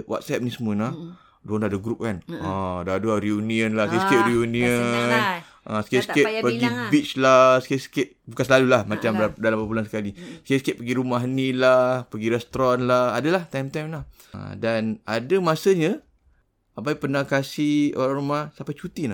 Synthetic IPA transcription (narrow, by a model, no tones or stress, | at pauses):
wa̰t̪̚sɛp̚nisəmuənah | dondadaɡɾup̚kanadaduaɾiunĩənlahskesəkɪʔ̪̚ɾiunĩən | ʔə̰sə̥keskeʔ̚pəɡibit͡ʃlasə̥kesə̥kɪt̪̚bukanslalulahmat͡ʃambdalampəbulansə̥kalisə̥keskɪʔ̪̚pəɡiɾumaɦənilahpəɡiɾɛst̪ɾɔnlahadəlaht̪ajmt̪ajmnah | dana̰dəmasəɲə | abajpənakasio̰ɾaŋɾumahsampat͡ʃut̪ina